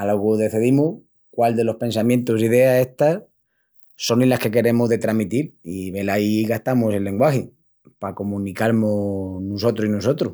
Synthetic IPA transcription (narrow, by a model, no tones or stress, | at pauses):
aloɣuðe̞θiðimu | kwald̪e̞lo̞hpe̞ns̬amjẽ̞nt̪usiðe̞ae̞ht̪a | so̞nelahke̞ke̞ɾe̞moɦðe̞t̪ɾamit̪iliβe̞laiɣat̪amose̞lːe̞ŋɡwaxe | pakomũnikaɾmonuso̞t̪ɾoinuso̞t̪ɾu